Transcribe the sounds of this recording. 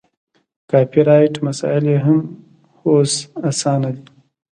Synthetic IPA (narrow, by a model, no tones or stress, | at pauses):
kɑːpiɾɑjʈmasɑ̰ɪleɦam | hosasɑːnad̪i